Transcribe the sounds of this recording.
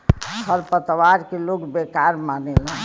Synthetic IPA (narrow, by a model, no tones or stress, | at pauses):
həɾpət̪ʋaɾkeloɡbekaɾmanelə̃